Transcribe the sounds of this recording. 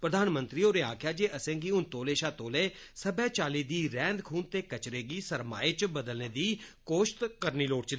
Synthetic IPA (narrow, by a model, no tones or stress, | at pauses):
pɾəd̪aːnmənt̪ɾiːoːɾeːaːkʰjaːd͡ʒeːʔəsɛ̃ːŋɡiːʊnt̪oːleːʃaːt̪oːleːsəbɛ̃ːt͡ʃaːliːd̪iːɾɛ̃ːnd̪kʰuːnt̪eːkət͡ʃɾeːɡiːsəɾma̰ːeːt͡ʃbəd̪əlneːd̪iːkoːʃt̪kəɾniːloːʈt͡ʃd̪